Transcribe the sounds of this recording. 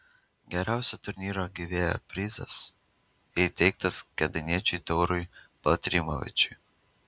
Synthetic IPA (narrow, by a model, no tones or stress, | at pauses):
ɡʲɛɾʲæˑʊsʲɛt̪ʊɾʲnʲiːɾoɡʲiʋʲeːjo̰pʲɾʲɪzɐ̰s | ɪt̪ʲɛɪkt̪ɐskʲɛd̪ɐnʲiɛt͡ʃʲʊt̪ɔʊɾʊɪ | b̥lˠɐt̪ʲɾʲɪmɔʋʲɪ̰t͡ʃʲʊɪ